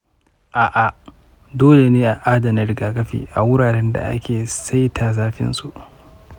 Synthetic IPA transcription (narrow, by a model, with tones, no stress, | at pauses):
ʔaː˨ʔa˨ | doː˦le˨neː˦ʔa˨ʔaː˦dɐ˨nɐ˦ɾɪ˦˨ɡaː˨kɐ˦ɸḭː˨ʔa˨wʊ˦ɽaː˨ɾɛ˦nda̰˨ʔa̰˦kʲeː˨sa˦jtʰa˨zaː˦ɸɪ̰˦nsu˦ʔ